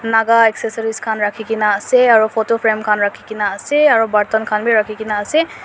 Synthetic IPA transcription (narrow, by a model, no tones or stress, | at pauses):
naɡaɛksesɔɹiskʰanɹakʰikinaːsɛaɹupʰɔtopʰɹɛmkʰanɹakʰikinaːsɛaɹubaɹtɔnkʰanbiɹakʰikinaːsɛ